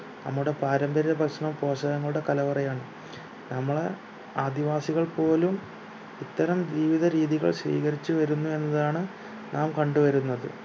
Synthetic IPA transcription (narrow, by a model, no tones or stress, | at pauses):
nɐ̰mːuɽe̞paːɾɐmbɐɾiɐbʱɐkʂɐɳɐmpo̞ːʂɐɣɐŋːɐɭuɽe̞kɐlɐʋɐrɐjaːɳɨ | nɐmːɐɭe | aːd̪iʋaːsiɣɐɭpo̞ːlum | it̪ːɐɾɐmd͡ʑiːʋiðɐɾiːðiɣɐ̰ɭsʋḭːkɐɾit͡ɕːuʋɐɾunːue̞nːɐðaːɳɨ | naːmkɐɳɖuʋɐɾunːɐðɨ̰